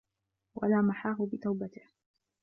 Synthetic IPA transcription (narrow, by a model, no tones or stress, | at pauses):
wʔa̰laːmaħaːɦʊbɪt̪awbat̪ɪh